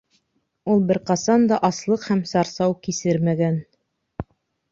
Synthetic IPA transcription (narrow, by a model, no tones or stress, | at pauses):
ulˠbɘ̆ɾqɑsɑnd̪ɑʔɑslˠɤqhæmsɑɾsɑwkisɘɾmæɡæn